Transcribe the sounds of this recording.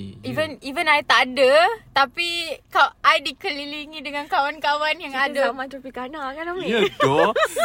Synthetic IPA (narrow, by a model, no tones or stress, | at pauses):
ivənivənajt̪aʔdət̪apikaʔajdikəliliŋĩdəŋãnkawankawanjaŋadəamãt̪upikanakadaəto